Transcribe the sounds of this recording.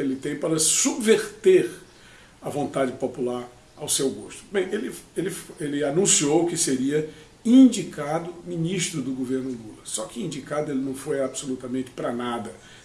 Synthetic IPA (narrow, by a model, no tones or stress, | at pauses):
elɪt̪ẽj̃paɾɐsubveɾt̪eɾ | ɐvõnt̪ad͡ʒɪpopulaɾ | awsewɡoʃt̪ʊ̥bẽj̃elɪelɪfelɪanũsiowkɪseɾiɐ | ĩd͡ʒikad̪ʊminiʃt̪ɾʊd̪ʊɡoveɾnʊlulɐsːɔkɪĩnd͡ʒikad̪ʊelɪnɐ̃w̃fojabsolut̪ɐmẽnt͡ʃɪ̥pɾɐnad̪ɐ